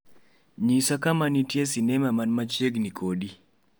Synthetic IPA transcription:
ɲisakamanitjesinɛmamanmat͡ʃeɡnikʰodi

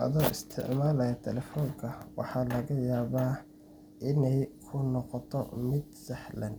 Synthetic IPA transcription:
ʔɐ̰ðɔʔɪst̪ʰɪ̰ʕmaːlɐjɐt̪ʰɛlɛfɔːŋkʰɐwɑ̰ħɑlɐɣɐjaːβaː | ʔɪnɛjkʰʊnɔqɔt̪ʰɔmɪd̪̚sɐħlɐn

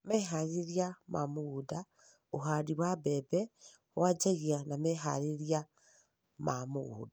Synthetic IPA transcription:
mɛɦaɾiɾiamamoɣuda | oɦadiwabɛbɛ | wad͡ʒaɣianamɛɦa̰ɾeɾja | mamoɣṵːda

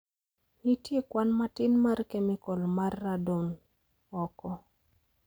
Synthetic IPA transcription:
nitjekwanmatɪnmarkemikɔlmarːadoŋ | ɔkɔ

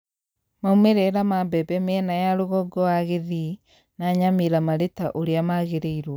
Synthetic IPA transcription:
maumeɾɛɾamabɛbɛmɛnajaɾoɣɔɡɔaɣeði | naɲameɾamaɾetaʔoɾeamaɣeɾeiɾwɔ

